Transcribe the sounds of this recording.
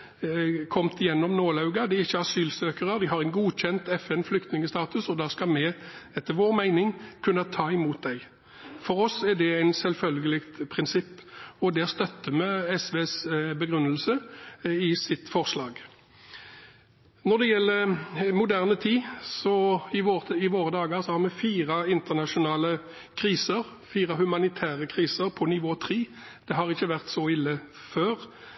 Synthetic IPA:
kʰɔmt̪ɪjɛnːɔmnoːlɑʉɡɑd̪ɪɪçːəɑsyːlsøːkəʁəd̪ɪɦɑɾæɪnɡuːc͡çɛnt̪ɛfɛnflʏkt̪nɪŋəst̪ɑːt̪ʉsɔd̪ɑːskɑmɛɛt̪ːəʋoːʁmæɪnɪŋkʰʉnːət̪ʰɑːɪmuːt̪̚d̪æɪ | fɔɾɔsɛd̪ɛæɪnsɛlfœlɡəlɪkt̪pʰʁɪnsɪpːɔd̪ɛæst̪œt̪ːəmɛɛsʋeːsbəɡɾʉnːəlsəɪsɪt̪fɔʁslɑːɡ | nɔd̪ɛjɛlːəɾmʊd̪æʁnət̪ʰiːsɔɪʋoːɪʋoːʁəd̪ɑːɡəsɔhɑʁmɛfiːʁɑɪnt̪əʁnɑʂʊnɑːlə | kʰɾiːsəʁ | fiːʁɑhʉmɑnɪt̪ʰæːʁəkʰʁiːsəʁpʰɔnɪʋoːt̪ʰʁiː | d̪̥ɛɦɑʁɪçːəʋæʁt̪sɔɪlːə | føːʁ

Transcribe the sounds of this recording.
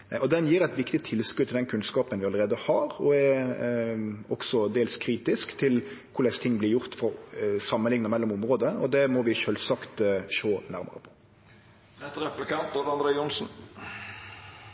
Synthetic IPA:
ʔɔd̪ɛnjiːɾɛt̪ʋɪkt̪ɪt̪ʰɪlskʉːt̪ʰːɪld̪ɛnkʰʉnskɑːpənʋɪɑləɾeːd̪əhɑɾɔɛ | ɔksɔd̪eːlskʰɾiːt̪ɪskt̪ʰɪlkʰʊɾlɛst̪ʰɪŋːblɪɾjʊɾt̪fɔɾsɑmːənlɪŋnəmɛlːɔmʊmʁoːd̪əɔd̪ɛmɔʋɪʃøːlsɑkt̪ʃoːnæɾmə̰ɾə̰pʰɔ̥ | nɛst̪əɾɛpləkʰɑnt̪̚d̪oɾɑnd̪ɾeɪʊnsn̩

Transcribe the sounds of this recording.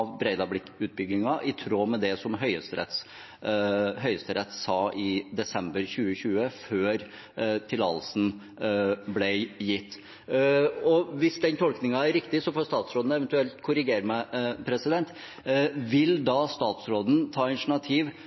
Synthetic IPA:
ʋbɾɛɪd̪ɑblɪkʉːt̪̚bʏɡɪŋɑʔɪt̪ʰɾoːmɛd̪ɛsɔmɦœʏəst̪ɾɛ̰t̪ | ɦœʏəst̪əɾɛt̪ːsɑːʔɪd̪ɛsɛmbəɾɕʉːəɕʉːəføːɾ | t̪ʰɪlɑ̰lsn̩ | blɛjɪt̪ː | ɔʋɪsd̪ɛnt̪ʰɔlknɪŋɑæɾɾɪkt̪ɪsɔfɔɾst̪ɑːt̪sɾoːd̪n̩ɛʋɛnt̪ʉɛlt̪kʰʊɾɪɡeːɾəmɛpʰɾɛsɪd̪ɛnt̪ | ʋɪld̪ɑst̪ɑːt̪sɾoːd̪n̩t̪ʰɑːɑt̪ɳɑt̪ʰiːʋ

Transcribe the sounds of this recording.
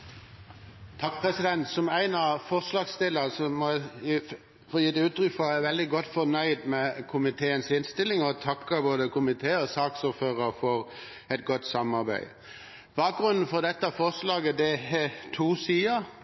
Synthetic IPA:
t̪ʰɑk̚pʰʁɛsɪd̪ɛnt̪sɔmæɪnɑfɔʁslɑːɡst̪ɪlːəsɔmɔ | fɔːjiːd̪ʉːt̪ɾʏkfɔæʋɛld̪ɪɡɔt̪ːfɔnœʏd̪mɛkʰʊmɪt̪ʰeːənsɪnst̪ɪlːɪŋɔt̪ʰɑkːəboːd̪əkʊmɪt̪ʰeːɔsɑːksuːɾføːʁəʁfɔɾ | ɛt̪̚ɡɔt̪ːsɑmɑʁbæ̰ɪ | b̥ɑːk̚ɡʁʉnn̩fɔʁd̪ɛt̪ːəfɔʁslɑːɡəd̪ɛhɛt̪ʰuːsiːəɾ

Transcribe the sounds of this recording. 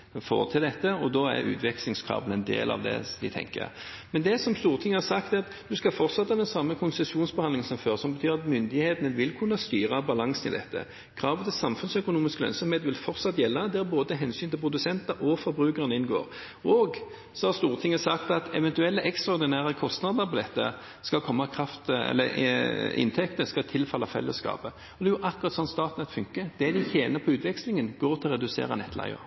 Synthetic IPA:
fo̰ːʁt̪ʰɪld̪ɛt̪ːəɔd̪ɔæ̰ɾʉ̰ːt̪ʰʋɛklɪŋskʰʁɑ̰ːbənɛnd̪ḛːlʔɑ̰ʋd̪ɛ̰d̪ɪ̰t̪ʰɛ̰ŋkə̰ | mɛnd̪ɛsɔmst̪uːʁt̪ʰɪŋːəhɑsɑkt̪ɑt̪ | d̪ʉskɑfɔʁt̪sɑt̪ːɑd̪ɛnsɑmːəkʰʊnsɛsuːnsbɛhɑnd̪lɪŋən̩sɔmføːʁsɔmbət̪ʰyːʁɑt̪mʏnd̪ɪheːt̪nəʋɪlkʰʉnːəst̪yːʁɑbɑlɑŋsənɪ̰ld̪ɛt̪ːə̰ | kʰɾɑːʋət̪ʰɪlsɑmfʉnsœkʊnuːmɪskəlœ̰nsɔmheːt̪ʋɪlfɔɾt̪sɑt̪ːjɛlːɑd̪ɛæboːd̪ət̪ʰɛɦɛnsyːnt̪ʰɪlpʰʁʊd̪ʉsɛnt̪ɑʔɔfɔɾbɾʉːkəʁənəɪnɡo̰ːʁ | oːɡ | sɔhɑʁst̪uːʁt̪ʰɪŋːəsɑkt̪ɑt̪ɛʋɛnt̪ʉɛlːəʔɛkst̪ʁɑɔɾd̪ɪnæːʁəkʰɔst̪nɑd̪əɾpɔd̪ɛt̪ːə̰ | skɑlkʰɔmːɑkʰɾɑft̪ɛ̰lːə | ɪ̰nt̪ʰɛkt̪əskɑt̪ʰɪlfɑlːɑfɛ̰lːəskɑ̰ːpə | ɔd̪ɛːjʊʔɑkːʊʁɑt̪sɔnːst̪ɑːt̪nɛt̪fʉŋkəd̪̥ɛd̪ɪçeːnəpʰɔʉːt̪ʋɛkslɪŋənɡoːɾt̪ʰɪlɔʁɛd̪ʉsḛːɾɑ̰nɛt̪ʰːlɑ̰ɪə̰ɾ

